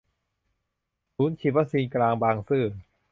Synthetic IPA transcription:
suː˨˦˥nt͡ɕʰi˧˩a˦˥k̚siː˧nklaː˧ŋbaː˧ŋsɯː˥˩

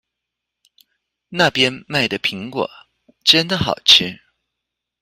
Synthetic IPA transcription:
na˥˩pjɛ˥nma˥˩ɪd̪ə˩pʰi˧˥ŋkwɔ̰˨˩˦ | ʈ͡ʂə˥nd̪ə˨xɑ˨˩ʊt͡ɕʰy˥˩

